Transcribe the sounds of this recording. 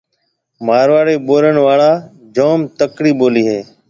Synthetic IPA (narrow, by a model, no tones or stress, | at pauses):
maːɾʋaːɾeːɓoːɾənʋaːɭaː | d͡ʒoːmt̪əkɽiːɓoːliːɦeː